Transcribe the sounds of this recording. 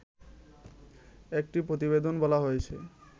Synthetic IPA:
ek̚ʈipɾot̪iβed̪onbɔlaɦojet͡ɕʰe

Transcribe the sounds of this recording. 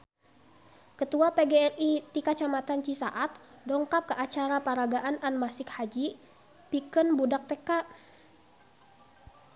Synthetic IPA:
kət̪uapɛɡeɛlit̪ikat͡ʃamat̪ant͡ʃisaʔat̪̚ | dɔŋkap̚kəʔat͡ʃaɾapaɾaɡaʔananmasɪkhad͡ʒi | pikənbudak̚t̪ɛkaʔ

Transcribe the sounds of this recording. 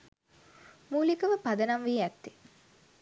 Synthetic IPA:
muːlikəʋəpad̪ənamʋiːæt̪ːi̥

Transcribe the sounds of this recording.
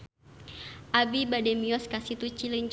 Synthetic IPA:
ʔabibadɛmiɔskasit̪ut͡ʃiləɲt͡ʃ

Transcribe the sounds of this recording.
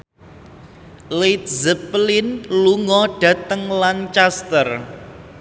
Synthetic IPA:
lejt̪̚zəplɪnluŋɔɖ̥ä̤t̪əŋlant͡ʃast̪ər

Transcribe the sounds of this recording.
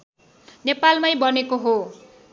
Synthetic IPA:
nepalmajbʌnekoɦo

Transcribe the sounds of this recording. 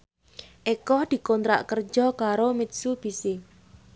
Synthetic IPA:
ʔekɔhd̪̥i̤kɔnt̪ɾa̰ʔkərd͡ʒɔkaɾomit̪̚sub̥i̤se

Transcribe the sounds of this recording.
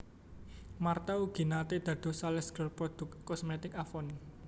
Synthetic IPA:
mart̪auɡ̥i̤nat̪ed̪̥ä̤d̪̥o̤salɛsɡ̥əlpɾɔd̪̥ʊ̤k̪̚kːɔsmet̪ɪkafɔn

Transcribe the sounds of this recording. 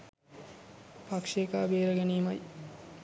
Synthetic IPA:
pakʂeːkaːbeːɾɐɡeniːmɐj

